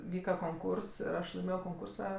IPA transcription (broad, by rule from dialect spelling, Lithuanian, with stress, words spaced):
ˈʋʲiːkɐ koːŋˈkuːrs ɪr ˈɐʃ lˠɐɪˈmʲeːjoː koːŋˈkuːrsɐ